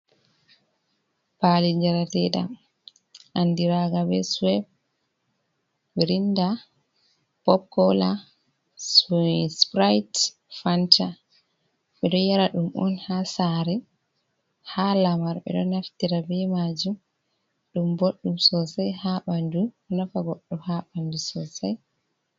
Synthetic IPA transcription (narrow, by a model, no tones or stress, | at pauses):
palid͡ʒaɾatɛɗa̰m | ʔandiɾaɡabɛ̰swɛb | ɛɾinda | pɔp̚kɔla | spɾajt | fanta | ɓɛɗɔjaɾaɗumʔɔ̰nhasaɾɛ | halamaɾɓɛ̰ɗɔnaftiɾabɛmad͡ʒum | ɗumboɗːumsɔsajhaɓandu | nafaɡoɗːɔhaɓandusɔsaj